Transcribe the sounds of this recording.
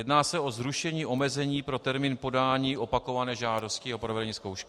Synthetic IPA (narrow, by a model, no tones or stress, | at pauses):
jɛdnaːsɛʔo̞zɾuʃɛɲiːʔo̞mɛzɛɲiːpɾo̞t̪ɛɾmiːnpo̞daːɲiːʔo̞pako̞vanɛːʒaːdo̞scɪapɾo̞vɛdɛɲiːskowʃkɪ